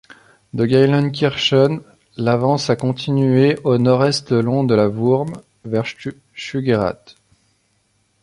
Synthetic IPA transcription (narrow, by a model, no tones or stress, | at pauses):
d̪əɡʲajlɔnkʲiʁʃɔn | lavɑ̃sakɔ̃t̪ʰinɥeʔonɔʁɛst̪əlɔ̃d̪əlavuʁm | vɛʁ | ʃyɡeʁa̰t̪